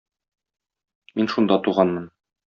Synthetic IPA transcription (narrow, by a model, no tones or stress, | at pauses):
minʃund̪ɑt̪uʁɑnmɤn